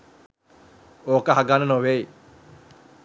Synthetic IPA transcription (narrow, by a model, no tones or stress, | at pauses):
oːkəɦaɡanənoʋei